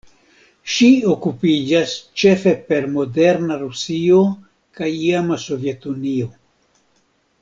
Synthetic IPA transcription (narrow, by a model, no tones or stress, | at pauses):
ʃiokupid͡ʒast͡ʃe̞fe̞pe̞ɾmo̞de̞ɾnaɾusio | kajiamaso̞vje̞t̪unio̞